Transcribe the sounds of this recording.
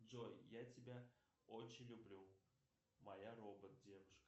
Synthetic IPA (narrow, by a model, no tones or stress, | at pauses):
ojjatʲɪbʲa | ot͡ɕɪnʲlʲublʲu | mɐjarobət̪̚dʲevʊʂkə